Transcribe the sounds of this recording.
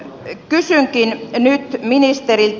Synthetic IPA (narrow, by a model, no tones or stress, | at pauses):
kysyŋkinnyt̪minist̪erilt̪